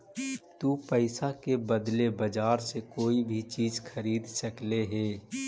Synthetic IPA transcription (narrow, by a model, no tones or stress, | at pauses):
t̪uːpəɪsakebəd̪lebəd͡ʒaːɾsekoːibʱit͡ʃiːd͡ʒxʰəɾiːd̪səkleɦɛː